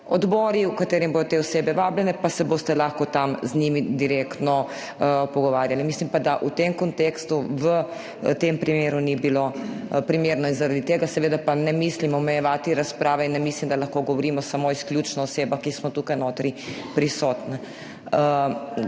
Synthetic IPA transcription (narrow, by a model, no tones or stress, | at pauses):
ɔd̪bɔːɾiukat̪eːɾimbod̪ɔt̪eɔseːbɛʋaːblɛnɛpasɛbost̪ɛlaːxkɔt̪amznimid̪iɾeːkt̪nɔ | pɔɡɔʋaːɾjalimislimpad̪aʔut̪emkɔnt̪eːkst̪uʋə | t̪empɾimeːɾunibilopɾimeːɾnɔinzaɾad̪it̪eːɡasɛʋeːd̪apanɛmislimɔmɛjɛʋaːt̪iɾaspɾaːʋɛinːɛmislimd̪alaxkoɡɔʋɔɾiːmɔsamoːisklʲjuːt͡ʃnɔɔseːbaxkismɔt̪uːkajnoːt̪ɾipɾisɔːt̪nɛ